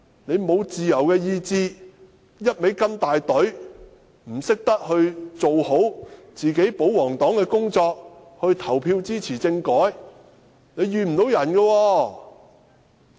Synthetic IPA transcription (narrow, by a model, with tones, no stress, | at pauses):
ne˨˧jmo˨˧wt͡siː˨jɐ˨˩wkɛː˧jiː˧t͡siː˧ | jɐ˥t̚me˨˥jkɐ˥nt̪aː˨jt̪ɵ˨˥ɥ | m̩˨˩sɪ˥k̚t̪ɐ˥k̚hɵ˧ɥt͡so˨who˨˥wt͡siː˨ke˨˥jpo˨˥wwɔː˨˩ŋt̪ɔː˨˥ŋkɛː˧kʊ˥ŋt͡sɔː˧k̚ | hɵ˧ɥt̪ʰɐ˨˩wpʰiː˧wt͡siː˥t͡sʰiː˨˩t͡sɪ˧ŋkɔː˨˥j | ne˨˧jjyː˨m̩˨˩t̪o˨˥wjɐ˨˩nɡɛː˧wɔː˧